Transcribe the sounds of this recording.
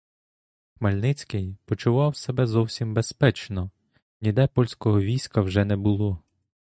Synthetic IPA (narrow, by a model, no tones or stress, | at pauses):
xmɐlʲnɪt͡sʲkɪjpɔt͡ʃʊʋɑwsebɛzɔwsʲimbespɛt͡ʃnɔ | nʲid̪ɛpɔlʲsʲkɔɦɔʋʲijsʲkɐwʒɛnɛbʊlˠɔ